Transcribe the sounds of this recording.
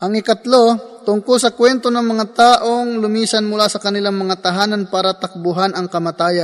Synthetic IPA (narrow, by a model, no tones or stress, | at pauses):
ʔɐŋɪkɐt̪lot̪ʊŋkʊlsɐkwɛnt̪onɐŋmɐŋat̪aːʔoŋlʊmiːsɐnmʊlaːsɐkɐnɪlaŋmɐŋat̪ɐɦaːnɐnpaːɾɐt̪ɐk̚bʊɦanɐŋkɐmɐt̪aːjɐ